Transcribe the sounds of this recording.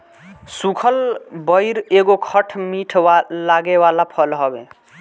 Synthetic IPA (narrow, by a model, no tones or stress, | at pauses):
sukʰəlbəjɾeɡokʰəʈʰmiʈʰlaɡewalapʰəlɦəbẽ